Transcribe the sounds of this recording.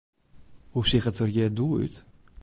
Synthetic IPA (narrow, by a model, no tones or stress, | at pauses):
husɪχətərjɛduːy̰t